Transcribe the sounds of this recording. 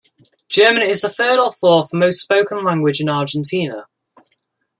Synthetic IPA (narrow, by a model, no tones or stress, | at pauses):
d̥ʒ̥ɜːmə̃nɪzəθɜːɾɒfɔːθəməʊstspəʊkə̃nlãŋɡwɪd͡ʒɪ̃nɑːˑd͡ʒə̃ntʰiːnə